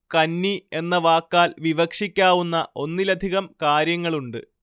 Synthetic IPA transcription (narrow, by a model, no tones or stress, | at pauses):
kɐnːie̞nːɐʋaːkːaːlʋiʋɐkʂikʲːaːʋunːɐʔo̞nːilɐd̪ʱiɣɐmkaːɾjɐŋːɐɭuɳɖɨ̰